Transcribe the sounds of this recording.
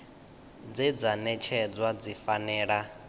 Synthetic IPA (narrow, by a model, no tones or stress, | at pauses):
d͡zɛd͡zanɛt͡ʃʰɛd͡zwad͡zifanɛːɺa